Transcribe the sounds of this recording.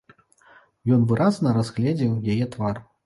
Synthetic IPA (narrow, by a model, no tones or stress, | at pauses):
jɔnvɨɾaznɐɾazɣlʲɛd͡zʲiwjajɛt̪var